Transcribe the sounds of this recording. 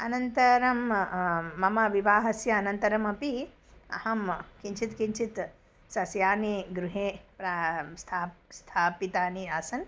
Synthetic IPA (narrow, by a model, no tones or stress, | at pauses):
ɐnɐnt̪ɐɾɐmː | ɐmɐʋiʋaːɦɐsjɐːnɐnt̪ɐɾɐmɐpi | ɐ̰hɐmkiɲt͡ʃʰit̪kiɲt͡ʃʰit̪ | sɐsjaːniɡɾuɦeːpɾast̪ʰaːst̪ʰaːpit̪aːniaːsɐn